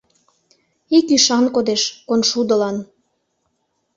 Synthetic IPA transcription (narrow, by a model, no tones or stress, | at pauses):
ikiʃɑnkod̪eʃkonʃud̪əlɑn